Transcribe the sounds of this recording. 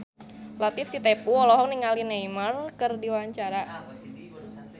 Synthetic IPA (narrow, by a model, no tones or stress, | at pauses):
lat̪ɪfsit̪epuɔlɔɦɔk̚niŋalinejmərkɨrdiwaɲt͡ʃaɾa